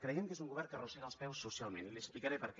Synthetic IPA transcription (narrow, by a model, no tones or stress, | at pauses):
kɾəjɛmkezuŋɡuβɛrkərusɛnəlˠspɛwsːusialˠmenliəksplikaɾepəɾk